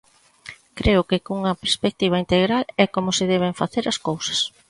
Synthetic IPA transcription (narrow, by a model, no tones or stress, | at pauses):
kɾeʊkɪkouŋɐpeɾspek̚t̪iβ̞ɐint̪eɣɾalɛkomʊsɪðɛβɪɱfaθeɾɐskowsɐ̥s